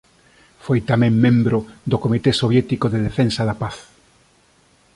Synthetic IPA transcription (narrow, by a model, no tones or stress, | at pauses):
fojt̪amɛ̃ŋmẽmbɾod̪okomit̪esoβjɛt̪ikoðeðefẽnsaðapaθ